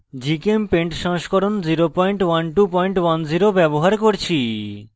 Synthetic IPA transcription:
d͡ʑikempeɳʈʃɔŋʃkoɾond͡ʑiɾopɔjɳʈwanʈupɔjɳʈwand͡ʑiɾobɛboɦaɾkoɾt͡ɕʰi

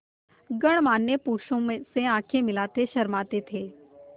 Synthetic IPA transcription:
ɡəɽ̃maːnːjəpuːʃõmeseãːkʰemɪlaːt̪eʃɐɾmaːt̪et̪ʰeː

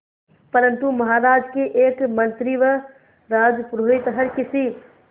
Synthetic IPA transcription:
pəɾənt̪uməɦaɾad͡ʒkeʔekmənt̪ɾiʋə | ɾad͡ʒpɾoit̪ɦəɾkisʰi

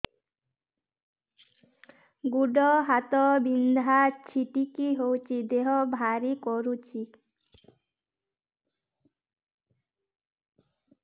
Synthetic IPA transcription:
ɡuɖɔɦat̪ɔbind̪ʱat͡ʃʰiʈikiɦowt͡ʃʰid̪eɦɔbʱaɾikɔɾut͡ʃʰi

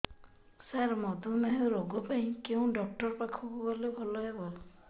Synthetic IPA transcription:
saɾmɔd̪umaɦɾoɡɔpaɦĩkeũɖɔk̚ʈɔɾpakʰukuɡɔlebʱɔlɔjebɔ

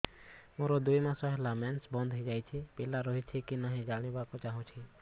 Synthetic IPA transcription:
moɾɔd̪ujmasɔɦelamɛnsbɔnd̪ʱɦɔjd͡ʒajt͡ʃʰipilaɾɔɦit͡ʃʰikinaɦɛ̃d͡ʒaɽ̃ibakɔt͡ʃaɦɔ̃t͡ʃʰi

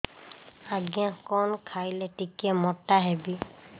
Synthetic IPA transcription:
aɡjãkɔnkʰajlɛʈikɛmɔʈaɦɛbi

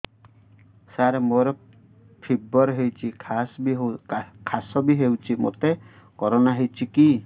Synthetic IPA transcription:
saɾemoɾɔ | pʰibɔɾɦewt͡ʃʰikʰas | kʰasɔbiɦewt͡ʃʰimo̰t̪e | kɔɾɔnaɦewt͡ʃʰiki

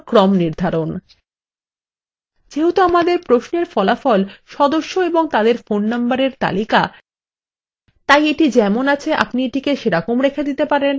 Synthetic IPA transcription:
kɾɔmniɾd̪ʱaɾon | d͡ʑeɦot̪oamad̪eɾpɾosneɾfɔlafɔlʃɔd̪oʃːoeboŋt̪ad̪eɾfonːambaɾeɾt̪a̰lika | t̪ajeʈid͡ʑɛmonat͡ɕʰeʔa̰pnieʈikeʃeɾakomɾekʰed̪it̪epaɾen

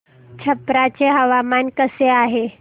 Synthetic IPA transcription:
t͡ɕʰəpɾat͡ɕeɦəʋamankəseaɦe

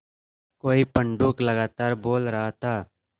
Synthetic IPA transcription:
koːiːpəɳɖuːkləɡaːt̪aːɾboːlɾəɦaːt̪aː

